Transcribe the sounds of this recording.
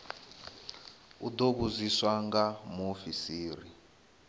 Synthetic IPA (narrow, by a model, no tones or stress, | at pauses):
ud̪oβuziswaŋɡamofisiːɾi